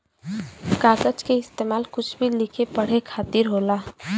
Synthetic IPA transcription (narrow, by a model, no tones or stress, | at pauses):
kaːkət͡ʃkeɪst̪eːmaːlkʊt͡ʃʰbʱilɪkʰepɐɽ̤ekʰaːt̪ɪɾɦoːlaː